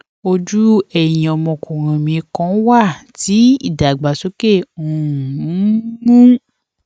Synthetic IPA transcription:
o˧d͡ʒu˦ɛ˨jĩ˨ɔ˨˧mɔ̃˧˨kõ˨ɾ̃ã˨mĩ˧e˧kɔ̃˦wa˦˨ti˨˦ḭ˦˨da˨ɡ͡ba˨so˦ke˦˨ũ˨˦mũ˦

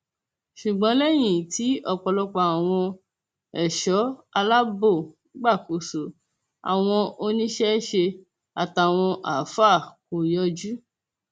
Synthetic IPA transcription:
ʃu˨ɡ͡bɔ̃˨˦lɛ˦j̃ĩ˨ti˨˦ɔ˦˨k͡pɔ˧lɔ˦k͡pa˧a˨w̃ɔ̃˧ | ɛ˨ʃɔ˨˦a˧la˦bo˦˨ | ɡ͡ba˦˨ko˨so˨˦ | a̰˨w̃ɔ̃˧o˧nĩ˦ʃɛ˦ʃe˧ | a˨ta˨w̃ɔ̃˧ʔa̰˨fa˦˨ko˨jɔ˦d͡ʒu˦

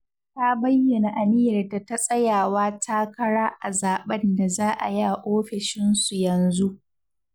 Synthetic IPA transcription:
ta˦bɐ˦jːɐ˨na˨ʔa˨nɪ˦jɐ˨rda˨ta˦sʼɐ˦jaː˨waː˦tʰaː˦kɐ˦ɽaː˦ʔa˨zaː˨ɓɐ˦nda˨zaː˦ʔa˨ja˦˨ʔoː˦ɸɪ˨ʃɪ˦nsu˨jɐ˨nzu˦ʔ

